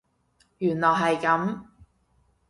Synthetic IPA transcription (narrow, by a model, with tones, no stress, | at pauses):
jyː˨˩nlɔː˨˩ɦɐ˨jkɐ˨˥m